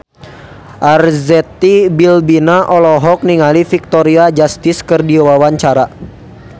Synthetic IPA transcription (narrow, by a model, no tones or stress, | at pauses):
ʔarzɛt̪ibilbinaʔɔlɔɦɔk̚niŋalifik̚t̪ɔɾiad͡ʒast̪ɪskɨrdiwawaɲt͡ʃaɾa